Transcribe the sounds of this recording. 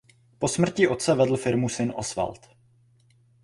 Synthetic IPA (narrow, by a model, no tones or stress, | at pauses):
po̞smr̩cɪʔo̞t̪t͡sɛvɛdl̩fɪɾmusɪnʔosfa̰lt̪